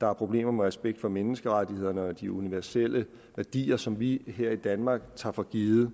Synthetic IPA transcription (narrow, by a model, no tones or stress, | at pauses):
d̥ɑ̈æɐpʰʁo̝b̥le̝̰ːmɐmeʁɛsb̥eɡ̥d̥fɒ̽menəsɡ̥əʁɑdihe̝ð̞̰ˠɐnɒd̥iuniʋæɐsel̰ə | ʋæɐd̥ḭːɐsɒ̽mʋiɦeɐ̰id̥ænmɑ̈ːɡ̥̚t͡sʰɑ̈fɒ̽ɡ̥iːð̩ˠə